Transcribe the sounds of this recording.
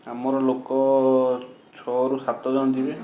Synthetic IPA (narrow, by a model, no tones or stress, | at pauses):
amɔɾɔlokɔ | t͡ʃʰɔɾusat̪ɔd͡ʒɔnɔd̪ibɛ